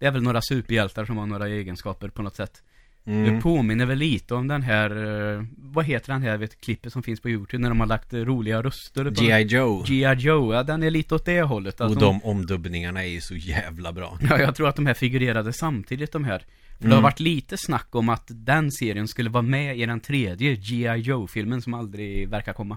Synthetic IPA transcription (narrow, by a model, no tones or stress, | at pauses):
d̪ɛæɾvɛlnoːɾasʉ̟ːpəɾjɛlt̪aɾʂɔmhaɳoːɾaeːɡənskɑːpəɾpʰɔnɔt̪sɛt̪ː | d̪ɵpʰoːmɪnːəɾvɛlːiːt̪əɔmd̪ɛnɦæɾ | vaɦeːt̪əɖɛnɦæːɾɖveːt̪kʰlɪpːənsɔmfɪnspʰɔjʉːt̪ʰʉːbnæɖɔmhaɭakt̪ɾuːlɪɡaɾɵst̪əɾd͡ʒiɪod͡ʒiaoʊɑd̪ɛnæɭiːt̪əɔt̪̚d̪ɛɦɔlːət̪ːaɔd̪ɔmɔmd̪ɵbnɪŋaɳaɛjʉsɔjæːvla̰bɾɑ̰ːjɑːjɑɡ̚t̪ʰɾuːɾat̪̚d̪ɔmɦæːɾfɪɡʉɾeːɾad̪əsamt̪ʰiːd̪ɪt̪̚d̪ɔmɦæːɾ | fœɖdɖɛhaɾɾvaʈːliːt̪əsnakːɔmat̪d̪ɛnseːɾɪənskɵlːəvɑːmɛɪd̪ɛnt̪ʰɾeːd̪jəjɪaoʊfɪlmənsɔmald̪ɾɪvæɾkaɾkʰɔmːa